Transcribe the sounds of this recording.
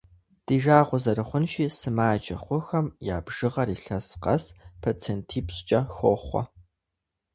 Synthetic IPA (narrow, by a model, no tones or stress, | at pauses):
d̥iːʒaːʁʷʊzɐɾɨχʷʊnʃiːsɨmaːd͡ʒʼɐ̰χʷʊxɐmja̰ːbʒ̥ɨʁɐɾiːɬɐsqɐspʰɐrt͡sʰentʰiːpɕt͡ʃʼɐxoχʷɔ̰